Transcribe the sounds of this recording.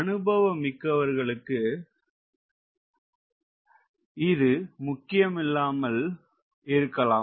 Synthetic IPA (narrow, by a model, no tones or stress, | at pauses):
ɐnɯbɐʋɐmːɪkːɐʋɐɾɣɐɭɯkːɯ | ɪðɯmʊkːɪjɐmɪlːaːmɐl | ɪɾɯkːɐlaː